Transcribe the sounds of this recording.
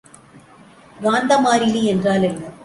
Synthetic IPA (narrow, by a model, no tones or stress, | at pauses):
ɡaːnd̪ɐmaːɾɪliɛndraːlɛnːɐ